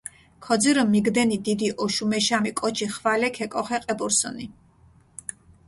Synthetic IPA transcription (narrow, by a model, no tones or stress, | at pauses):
kʰɔd̪ziɾɔmːiɡd̪ɛnid̪id̪iʔɔʃumɛʃamikʼɔt͡ʃʰiχvalɛkʰɛkʼɔχɛqʼɛbɔɾsɔ̰ni